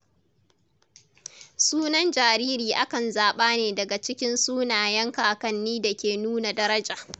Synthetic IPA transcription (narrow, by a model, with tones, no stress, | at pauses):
suː˦nɐ˦nd͡ʒaː˨ɾiː˦ɾiː˨ʔa˦kɐ˨nzaː˨ɓaː˦neː˨dɐ˨ɡa˨t͡ʃɪ˦kʲɪ˦nsuː˦naː˨jɐ˦ŋkaː˨kɐ˦nːiː˦dɐ˨kʲeː˨nuː˦na˨dɐ˦ɾɐ˦d͡ʒaː˨